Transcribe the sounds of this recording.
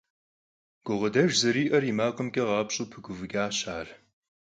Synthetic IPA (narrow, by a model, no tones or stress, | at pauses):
ɡ̥ʷʊʁɐdɐʒzɐɾiːʔɐrimaːqʼəmkʼɐʁɑːpɕʼuːpʰɨɡʷʊvɨɡaːɕaːr